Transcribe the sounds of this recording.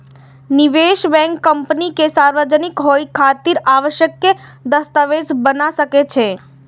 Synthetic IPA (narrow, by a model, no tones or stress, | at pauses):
niʋeʃbɛ̃ŋkːəmpnikesaɾʋəd͡ʒənɪkɦojkʰat̪iɾaʋəʃjəkːed̪əst̪aʋed͡ʒbənasəket͡ʃʰe